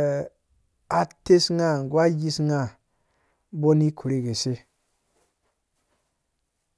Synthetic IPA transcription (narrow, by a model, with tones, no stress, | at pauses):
a˨te˦sŋa˦˨ŋ˨ɡwa˦ji˦sŋa˦˨ | bo˦ni˦kʰu˨ɾi˦ɡe˨se˦